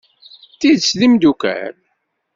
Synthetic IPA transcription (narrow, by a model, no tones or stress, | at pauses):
t̪ːiðslimd̪ukæ̰ɾ